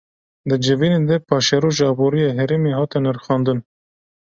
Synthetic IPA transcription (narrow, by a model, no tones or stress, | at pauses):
d̪ɨd͡ʒɨviːned̪ɛpʰɑːʃɛɾoːʒɑːboːɾijɑːɦɛɾemeːhɑːt̪ɛnɛɾxɑːnd̪ɨn